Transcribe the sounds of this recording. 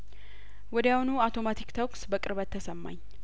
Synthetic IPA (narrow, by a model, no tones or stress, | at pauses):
wɔd̪əjaunuat̪ʰo̞mat̪ʰikt̪ʰəksbəkʼɨɾbət̪ʰːəsəmːa̰ɲː